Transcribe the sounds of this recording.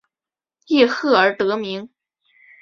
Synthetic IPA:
i˥˧xɤ˥˩ə˞˧˥t̪ɤ˧˥mi˧˥ŋ

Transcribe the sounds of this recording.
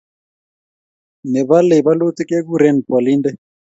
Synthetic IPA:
nɛ˨βa˦lɛ˨βa˦lo˦ti˦kɛ˦ɣu˦ɾɛ˦npwa˨li˦ndɛ˦

